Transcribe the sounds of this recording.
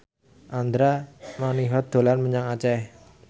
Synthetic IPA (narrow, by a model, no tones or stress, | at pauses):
ʔand̪ɾamaniɦɔd̪̥o̤lanməɲaŋat͡ʃɛ